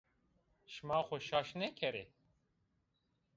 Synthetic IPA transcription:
ʃmɑːxʷɔʃɑːʃnɛkʰɛɾe

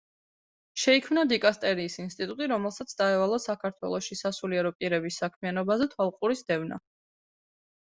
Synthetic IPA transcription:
ʃɛikʰmnad̪ikʼast̪ʼɛɾiːsinst̪ʼit̪ʼut̪ʼiɾɔmɛlˠsat̪sʰd̪aɛvalˠasakʰaɾt̪ʰwɛ̰lˠɔʃisasuliɛɾɔpʼiɾɛbisːakʰmianɔbazɛt̪ʰwalˠqʼuɾisd̪ɛvna̰

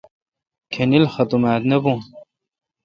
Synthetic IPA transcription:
kʰenilxɐt̪umaːt̪nɐbũ

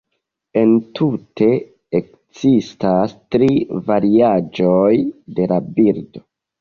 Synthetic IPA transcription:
e̞ntʰutʰe̞ | ek | zistastɾivaɾiad͡ʒojde̞labiɾdo̞

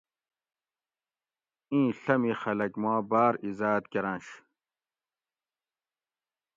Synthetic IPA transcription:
ĩːɬɐmĩxɐlɐkmãːbaːɾizaːt̪kɐɾãːɕ

